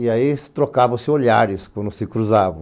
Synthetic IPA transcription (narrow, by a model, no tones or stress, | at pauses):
iaist̪ɾokavɐ̃w̃sɪoʎa̰ɾɪskwɐ̃nd̪ʊsɪkɾuzavɐ̃